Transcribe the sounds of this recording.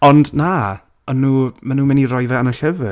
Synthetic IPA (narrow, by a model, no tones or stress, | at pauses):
ɔndnaː | ənuːmanuːmɪnirɔjvɛanɔɬəvə